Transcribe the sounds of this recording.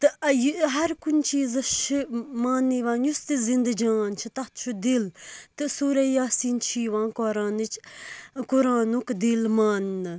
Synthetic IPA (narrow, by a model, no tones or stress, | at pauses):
t̪ɨjiɦɐɾkunt͡ʃiːzɐʃimaːniʋãːjust̪izind̪d͡ʒaːnt͡ʃʰit̪ɐt̪t͡ʃʰud̪ilt̪ɨsuːɾɐjaːsiːnt͡ʃʰiːʋãːkoːɾaːnɨt͡ʃkuɾaːnukd̪ilmaːnːɨ